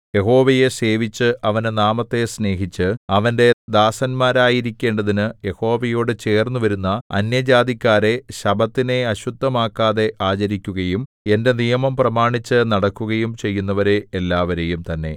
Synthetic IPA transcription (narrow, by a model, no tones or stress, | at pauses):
je̞ɦo̞ːʋɐje̞se̞ːʋit͡ɕːɨʔɐʋɐnɨnaːmɐt̪ːe̞sne̞ːɦit͡ɕːɨɐʋɐnde̞d̪aːsɐnmaːɾaːjiɾikʲːe̞ːɳɖɐðinɨje̞ho̞ːʋɐjo̞ːɽɨt͡ɕe̞ːrnːuʋɐɾunːɐɐ̰njɐd͡ʑaːd̪ikʲːaːɾe̞ɕɐbɐt̪ːine̞ɐɕud̪ʱːɐmaːkːaːðeʔaːt͡ɕɐɾikʲːuɣɐjum | e̞nde̞nijɐmɐmprɐmaːɳit͡ɕːɨnɐɽɐkːuɣɐjumt͡ɕe̞jːunːɐʋɐɾe̞ːlːaːʋɐɾejumt̪ɐnːe̞̰